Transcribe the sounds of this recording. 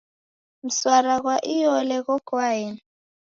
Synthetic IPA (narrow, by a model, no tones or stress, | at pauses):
m̩swaɾaɣwaʔijɔlɛɣɔkʰwaːjɛ